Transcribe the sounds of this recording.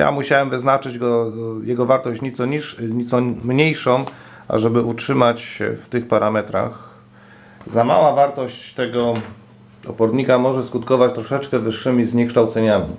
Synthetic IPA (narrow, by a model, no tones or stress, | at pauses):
ja̰muɕawɛmvɘznat͡ʂɘd͡ʑɡɔjɛɡɔvaɾt̪ɔɕt͡ɕɲit̪sɔiʂɲit̪sɔmɲejʂɔ̃w̃ | ʔa̰ʐɛbɘutʂɘmat͡ɕɛ̰ft̪ɘxpaɾʔamɛt̪ɾa̰x | zama̰wavaɾt̪ɔɕt͡ɕt̪ɛɡɔ | ɔ̰pɔɾɲikamɔʐɛskut̪kɔvat͡ɕt̪ɾɔʂɛt͡ʂkɛvɘʂːɘmʲizɲɛkʂt̪awt̪sɛɲamʲḭ